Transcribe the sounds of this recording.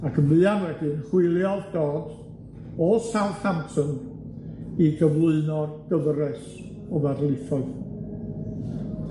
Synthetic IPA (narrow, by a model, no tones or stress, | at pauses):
akʰəmvɨːanwɛdɨnχwɪlˠjɔðd̥oːd̥ | ɔsawnhamtʰən | iɡəvlˠʊɨnɔɡ̥əvrɛs | ɔvadlˠɪθɔð